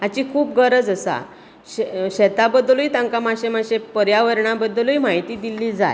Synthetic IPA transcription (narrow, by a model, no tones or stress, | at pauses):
at͡ɕikʰuːpɡəɾəd͡zəsa̰ | ɕeɕɛt̪abəd̪luiːt̪ãŋkamaɕemaɕepəɾjaʋəɾɳabəd̪luimaɦit̪iːd̪ilːiːd͡za̰j